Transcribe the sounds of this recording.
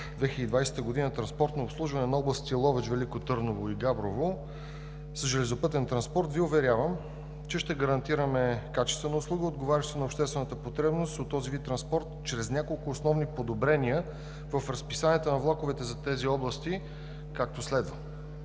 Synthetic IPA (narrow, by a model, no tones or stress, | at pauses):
d̪vɛxʲiəd̪iːd̪vajsɛ̥t̪əɡod̪inət̪ɾɐnspɔɾt̪noːpslˠuʒvɐnɛnɐɔblˠəst̪ilˠɔvɛt͡ʃvɛlikot̪ɤɾnovoiɡabɾovo | səʒɛlɛzopɤt̪ɛnt̪ɾɐnspɔɾt̪viʊvɛɾʲjavəm | t͡ʃɛʃt̪ɛɡəɾɐnt̪iɾəmɛkat͡ʃɛst̪vɛnəʊslˠuɡəod̪ɡovaɾʲɐʃt̪t̪onɐopʃt̪ɛst̪vɛnət̪əpot̪ɾɛbnost̪ot̪ːɔzivit̪ːɾɐnspɔɾt̪t͡ʃɾɛznʲakolˠkʊːsnɔvnipod̪obɾɛniə | vəfɾɐspisaniət̪ənɐvlˠakovɛt̪ɛzɐt̪ɛziɔblˠəst̪i | kak̚t̪oslɛd̪və